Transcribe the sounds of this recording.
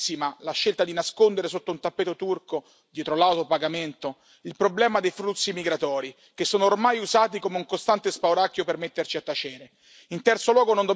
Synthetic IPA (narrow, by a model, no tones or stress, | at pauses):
imalaʃːelt̪ad̪inaskond̪eɾesot̪ːount̪apːɛːt̪ot̪urko | d̪jɛːt̪ɾolawt̪opaɡament̪o | ilpɾoblɛːmad̪ejfɾut̪sːimiɡɾat̪ɔːɾi | k̟esːoːnoːrmajuzaːt̪̬ikomeuŋkost̪ant̪espawɾakːjopermet̪ːert͡ʃiat̪ːat͡ʃeːɾe | int̪ɛrt̪solwɔːɡonond̪o